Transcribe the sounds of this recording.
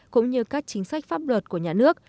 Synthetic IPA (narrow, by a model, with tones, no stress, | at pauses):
kʊ̰˧˥ŋ͡mɲɨ˧kaː˦˥k̚t͡ɕï˨˦ŋ̟swa˦˥jk̟̚faː˦˥p̚lwə˨˩t̚ku˧˩əɲaː˨˩nɨ˦˥ək̚